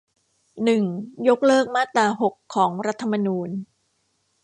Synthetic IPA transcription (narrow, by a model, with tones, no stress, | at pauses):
nɯ˨˩ŋjo˦˥k̚lɤː˥˩k̚maː˥˩t̪ːaː˧ɦo˨˩kʰːɔː˩˦ŋɾa˦˥t̪ʰːa˧ma˧nuː˧n